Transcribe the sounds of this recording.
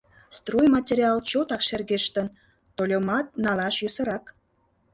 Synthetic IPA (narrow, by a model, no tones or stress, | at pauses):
st̪rojmɑtʲeɾʲiɑlt͡ɕot̪ɑkʃerɣeʃt̪ən | t̪olʲomɑt̪̚nɑlɑʃjysə̆ɾɑk